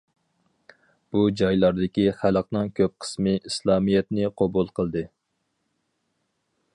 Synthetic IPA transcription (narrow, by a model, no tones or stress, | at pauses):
b̥ud͡ʒɑjlˠɑɾd̪ɪkʲiχælˠəq̚nɨŋkʲʰøp̚qʰə̥smɨislˠɑːmijɛt̪nɪqʰobulˠqʰəlˠd̪ɨ